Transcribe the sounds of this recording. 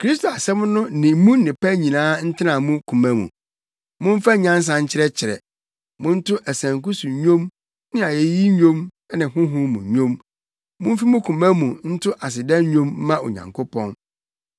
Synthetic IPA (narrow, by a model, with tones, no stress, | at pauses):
kʰɾi˦sto˨a˨sɛ˦m̃˦nʊ̃˦nɪ̃˨m˦mũ˦nɪ̃˨pæ˦ɲĩ˨nãː˦n̩˦tʰɪ˦nã˨mũ˦kʰũ˨mæ̃˦mṵ̃˨ | mʊ̃˦ɱ˦fa˦ɲã˦n˦s̬ã˨ɲ̩˦t͡ɕʰɪ˦ɾɛ˦t͡ɕʰɪ˨ɾɛ̰˨ | mʊ̃˦n̩˦tʰʊ˦ʔæ˨sæ̃˨ŋkʊ˦su˨ɲõ˦m | nɪ̃˦a˨je˨ji˦ɲᶣõ˦m˦ | nɪ̃˨ɦʊ̃˦ɦʊ̃˦mṵ̃˨ɲᶣõ˦m | mʊ̃˦m̩˦fi˦mʊ̃˦kʰũ˨mæ̃˦mũ˨n̩˦tʰʊ˦ʔa˨s̬ɪ˨dɛ̃˦n˦ɲõ˦m̩˦mã˦o̰˨ɲã̰˨ŋkʰʊ˦pʰɔ̰̃˦n